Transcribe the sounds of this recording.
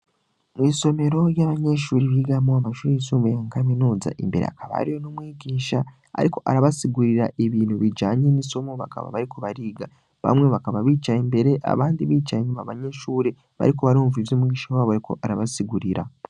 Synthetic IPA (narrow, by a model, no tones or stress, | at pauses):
mwiːso̞me̞ɾo̞jaβaɲeʃuːɾeβiɡamoamaʃuːɾeisuːmbojaŋkaminuːza̰ʔḭmbe̞ɾḛa̰kaβa̰ɾijo̞nomwiːɟiːʃa | a̰ɾiko̞ʔaɾaβasiɡuɾiɾaʔeβiːnhuβid͡ʒaːɲenisomoβa̰ka̰βa̰βaɾikoβaɾiːɡa | βa̰mŋe̞βakaβaβiːt͡ʃaimbe̞ɾe̞ʔa̰βaːndiβiːt͡ʃaeɲumaβaɲeʃuːɾe | βa̰ɾikoβaɾuːɱvivjoːmŋiːʃaββaβaɾiko̞̰ʔaɾaβasiɡuɾiɾa̰